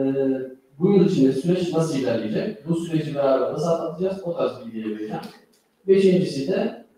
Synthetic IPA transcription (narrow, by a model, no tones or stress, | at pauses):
bujulˠit͡ʃʰind̪ɛsyɾɛt͡ʃnasɯljit̪ʰæɾlʲejed͡ʒɛcbusyɾed͡ʒibɛɾaːbæɾd̪asat̪lˠat̪ʰɯd͡ʒazot̪ʰazɯid̪ijebeɾid͡ʒɛn | beʃind͡ʒisid̪ɛ